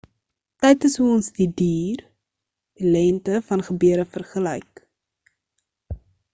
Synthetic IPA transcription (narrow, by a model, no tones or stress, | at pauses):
tɛjtəsɦuɔnsdidiːr | d̥ilɛntəfɐnχəbøəɾəfərχəlɛjk